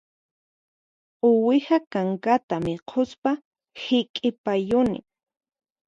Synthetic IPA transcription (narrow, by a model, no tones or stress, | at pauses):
ʊwɪhakaŋkat̪amɪqʰospa | hɪkʼɪpajʊnɪ̰